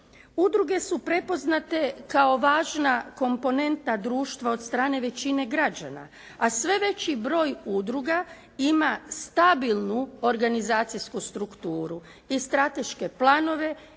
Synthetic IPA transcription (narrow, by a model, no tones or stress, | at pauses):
ud̪ɾuɡe̞supɾe̞po̞znat̪e̞kao̞ʋaːʒnako̞mpo̞ne̞nt̪ad̪ɾuːʃt̪ʋao̞d̪st̪ɾaːne̞ʋe̞t͡ɕine̞ɡɾad͡ʑa̰na̰ | asʋe̞ʋe̞t͡ɕibɾo̞ːjud̪ɾuɡa | imast̪abilˠnuo̞ɾɡanizaːt̪sijskust̪ɾukt̪uːɾu | ist̪ɾat̪e̞ʃke̞plˠaːno̞ʋe̞